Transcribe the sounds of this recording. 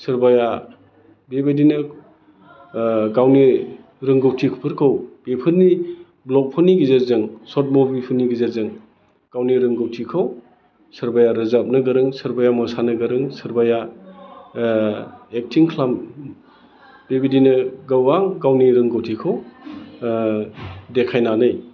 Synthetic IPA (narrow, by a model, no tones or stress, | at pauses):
sɯɾbaja | bebedinɯ | ɡawni | ɾɯŋɡɔwtʰikʰpʰɯɾkʰɯwb̥epʰɯɾni | blɔk̚pʰuniɡizezɯŋsɔt̚mobipʰuniɡizaɾzɯŋ | ɡ̥awniɾɯŋɡowtʰikʰaw | sɐɾbajaɾɯzap̚nɯɡɐɾɯŋsɐɾbajamɔsanɯɡɐɾɯŋsɯɾbaja | ek̚tʰiŋkʰlam | b̥ibidinɯɡawaŋɡawniɾɯŋɡowtʰikʰaw | dekʰajnanɯj